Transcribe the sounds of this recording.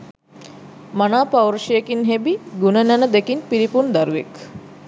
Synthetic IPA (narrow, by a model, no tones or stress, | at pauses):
manaːpawɾʃijekinɦebiɡunənænəd̪ekinpiɾipund̪aɾuʋḛk